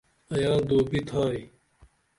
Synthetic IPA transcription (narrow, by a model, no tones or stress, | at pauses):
ɐjaːd̪oːbit̪ʰaːi